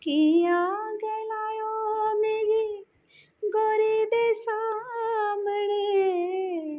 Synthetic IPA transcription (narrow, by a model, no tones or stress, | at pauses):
kijaɡeːlaːjomeːɾi | ɡoɾib̪esa | mɳe